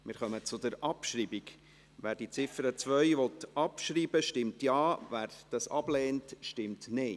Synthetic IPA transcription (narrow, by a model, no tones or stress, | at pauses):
mɪɾχœmət͡sʊd̪əɾʔɑpʃɾiːbiɡ | ʋæːɾd̥it͡sɪfəɾət͡sʋœʏʋɔtɑpʃɾiːbəʃtɪmtjɑːvæːɾd̥ɑsɑb̥lɛːntʃtɪmtne